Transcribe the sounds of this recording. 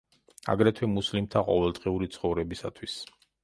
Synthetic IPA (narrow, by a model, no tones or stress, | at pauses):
a̰ɡɾɛt̪ʰwɛmuslimt̪ʰaqʼɔvɛlˠd̪ʁiuɾit̪sʰχɔvɾɛbisat̪ʰwis